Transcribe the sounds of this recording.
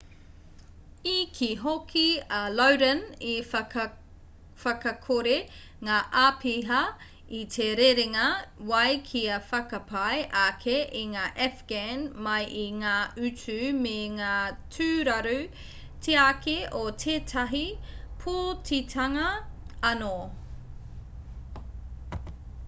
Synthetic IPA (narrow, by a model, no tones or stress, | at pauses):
ikʰiɦokʰiɐlowɾɐni | fɐkɐkʰoɾe | ŋaːʔapʰiɦɐ | itʰeɾeɾeŋɐwɐjkʰiɐfɐkɐpʰajʔakʰeʔiŋaːʔɛfɡ̥anmɐjʔiŋaːʔʉtʉmeŋaːtʰʉːɾɐɾu | tʰeakeʔotʰeːtʰɐɦipʰotitʰɐŋɐɐno